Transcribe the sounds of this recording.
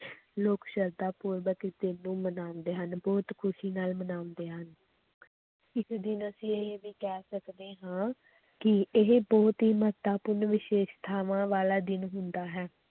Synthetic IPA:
loːkʃəɾd̪aːpʊːɾʋəkd̪ɪnːũːmənãːnd̪eːɦənbɔːt̪kʰʊʃiːnaːlmənaːʊnd̪eːɦən | ɪsd̪ɪnəsĩːeɦʋiːkɛːsəkd̪eːɦãː | kɪɪɦebɔːt̪ɦiːmət̪aːpʊɾnʋɪʃeːʃt̪ʰaːʋãːʋaːlaːd̪ɪnɦʊnd̪aːɦɛː

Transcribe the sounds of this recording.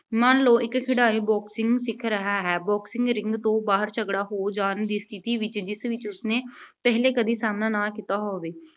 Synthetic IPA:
mãːnloːʔɪkkʰɪɽaːɾiːbɔːksɪ̃ŋɡsɪkʰɾəɦaːɦɛːbɔːksɪ̃ŋɡɾɪ̃ŋɡt̪õːbaːɦəɾt͡ʃəɡɽaːɦoːd͡ʒaːnd̪iːst̪ʰɪt̪iːʋɪt͡ʃd͡ʒɪsʋɪt͡ʃʊsneːpɛːɦleːkəd̪iːsaːmnãːnaːkiːt̪aːɦoːʋeː

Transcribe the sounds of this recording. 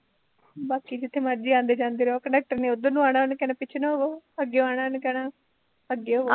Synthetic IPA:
baːkiːd͡ʒɪt̪ʰːeːməɾd͡ʒiːãːnd̪eːd͡ʒãːnd̪iːɾokəɳɖək̚ʈəɾnẽːod̪ənũːaːɽaːnkɛːnãːpɪt͡ʃʰnaoəɡeoaːɽ̃ankɛːnaː | əɡeo

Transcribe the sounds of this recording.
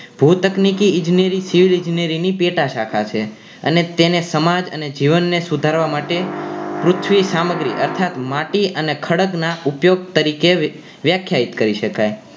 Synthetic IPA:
b̥ʱut̪əknikiɪ̃nd͡ʒinjəɾisiʋilɪ̃nd͡ʒinijəɾinipeʈaʃakʰat͡ʃʰe | ə̰net̪enesəmad͡ʒə̰ned͡ʒiʋənːesud̪ʱaɾʋamaʈepɾʊt̪ʰʋisaməɡɾiʔəɾt̪ʰat̪maʈiənekʰəɽəknaupjoɡ̚t̪əɾike | ʋjakʰjait̪kəɾiʃəkaj

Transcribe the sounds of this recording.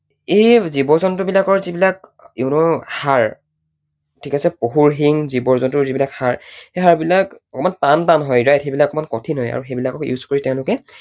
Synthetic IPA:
ejzibɔzɔntʊbilakɔɹzibilakeʊnɔhaɹ | tʰikasɛpoɦuɹɦiŋzibɔɹzɔntʊɹzibilakhaɹxejɦaɹbilakɔkɔmantantanɦɔjɹajtxejbilakɔkɔmankɔtʰinɦɔja̰ɹuxejbilakɔkjṵzkoɹitɛʊ̃lʊkɛ

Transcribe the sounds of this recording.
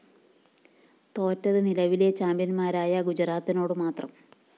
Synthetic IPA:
t̪o̞ːtːɐðɨnilɐʋile̞t͡ɕaːmbjɐnmaːɾaːjɐɡud͡ʑraːt̪ːino̞ːɽɨmaːt̪rɐm

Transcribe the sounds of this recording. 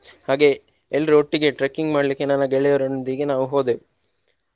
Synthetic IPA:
haːɡe̞ | elːɐɾuoʈːiɡe̞ʈɾekːiŋɡmaːɽɐlikːe̞nɐnːɐɡɛɭɛjɐɾɐnod̪iɡenaːʋuɦoːd̪e

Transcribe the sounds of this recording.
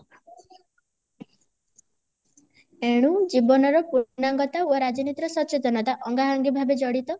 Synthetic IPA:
eɽ̃ud͡ʒibɔnɔɾɔpunaŋɡɔt̪aoɾad͡ʒɔnit̪ɾɔsɔt͡ʃet̪ɔnɔt̪aʔɔŋɡaɦaŋɡibʱabed͡ʒɔɽit̪ɔ

